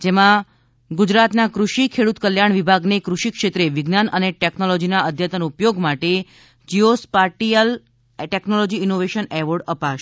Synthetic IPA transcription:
d͡ʒemã | ɡud͡ʒɾat̪nakɾuʃikʰeɽut̪kəljaɳ̃ʋibʱaɡnekɾuʃikʃet̪ɾeʋɪɡnanəneʈɛknolɔd͡ʒinaəd̪ʱjət̪ənupjoɡmaʈe | d͡ʒiospaʈiəl | ʈɛknolɔd͡ʒiːnoʋeʃənɛʋoɖəpaʃ

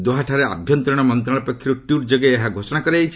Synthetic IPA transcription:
d̪oɦaʈʰaɾea̰bʱjɔnt̪ɾɔɽ̃ɔmɔnt̪ɾaɭɔpɔkʰːjɾuʈuɾd͡ʒoɡeːɦaɡʱosɔɽ̃akɔɾeejt͡ʃʰi̥

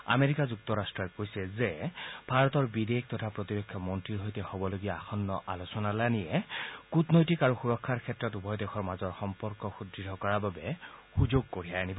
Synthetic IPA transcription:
a̰meɹikazuk̚tɔɹastɹɔkojsɛzeb̥ʱaɹɔtɔɹbidek̚ʰtɔtʰapɹotiɹɔkʰːjɔmɔntɹiɹɦojtɛhobɔloɡijaːxʰɔnːɔʔalosɔnalanijɛkutnojtikaɹuxuɹɔkʰːaɹkʰɛtɹɔtubɔjdɛxʰɔɹmazɔɹxɔmpɔɹkɔxudɹidʱɔkɔɹababɛxuzoɡ̚koɹijaanibɔ

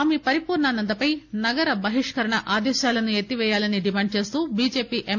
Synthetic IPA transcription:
mepɐɾipuːɾɳaːnɐnd̪ɐpɐjnɐɡɐɾɐbɐɦiʂkɐɾɐɳɐʔaːd̪ɛːʃjaːlɐnuet̪ːiʋɛːjaːlɐniɖimaːɳɖ̚t͡ʃe̞ːst̪uːbiːd͡ʒe̞ːpiːʔe

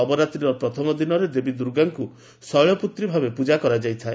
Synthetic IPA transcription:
ɔbɔɾat̪ɾiɾɔpɾɔt̪ʰɔmɔd̪inɔɾed̪ebid̪uɾɡaŋku | sɔjɭɔput̪ɾibʱabepud͡ʒakɔɾad͡ʒajt̪ʰae

